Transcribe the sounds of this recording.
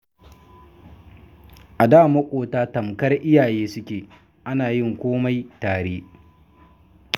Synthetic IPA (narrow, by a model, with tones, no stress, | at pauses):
ʔa˨daː˦˨mɐ˦kʷʼoː˨taː˦tɐ˨mkɐ˦rʔɪ˦jaː˨jeː˦sʊ˦kʲeː˨ | ʔa˦naː˨jɪ˦˨ŋkʷoː˦ma˦jtaː˨ɽeː˦